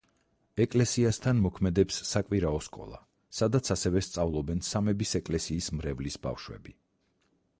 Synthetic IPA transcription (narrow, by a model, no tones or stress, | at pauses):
ɛkʼlɛsiast̪ʰanmɔkʰmɛd̪ɛpsːakʼwiɾaɔskʼɔ̰lˠa̰ | sad̪at̪sʰasɛvɛst̪sʼavlˠɔbɛnsamɛbisɛkʼlɛsiːsmɾɛvlisba̰fʃwɛ̰bi